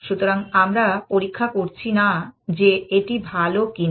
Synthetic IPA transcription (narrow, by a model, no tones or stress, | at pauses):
ʃut̪oɾaŋamɾapoɾikʰːakoɾt͡ɕʰinad͡ʑeeʈibʱalokin